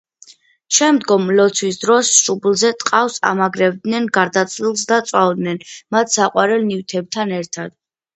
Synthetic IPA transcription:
ʃɛmd̪ɡɔmlɔt̪sʰwisd̪ɾɔsʃublˠzɛt̪ʼqʼafsa̰maɡɾɛvd̪nɛnɡaɾd̪at̪sʰlilˠsd̪at̪sʼwavd̪nɛnmat̪ʰsaqʼwaɾɛlnivt̪ʰɛb̚t̪ʰanɛɾt̪ʰad̪̥

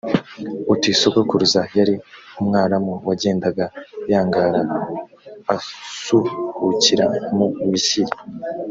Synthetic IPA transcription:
utisokokuɾuzajaɾiumŋaːɾamuwaɟe̞ːndaɡajaːŋɡaːɾaː | suhuciɾamumiʃiji

